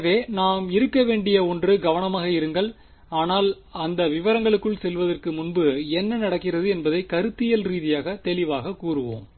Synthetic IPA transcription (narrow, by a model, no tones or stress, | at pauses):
ʋeːnaːmɪɾɯkːɐʋeːɳɖɪjɐɔndrɯɡɐʋɐnɐmaːɣɐɪɾɯŋɡɐɭ | aːnaːl | ɐnd̪ɐʋɪʋɐɾɐŋɡɐɭɯkːɯɭsɛlʋɐðɐrkɯmʊnbɯɛnːɐnɐɽɐkːɪrɐðɯɛnbɐðɐɪkɐɾɯt̪ːɪjɐlɾiːðɪjaːɣɐt̪ɛlɪʋaːɣɐkuːrɯʋo̰ːm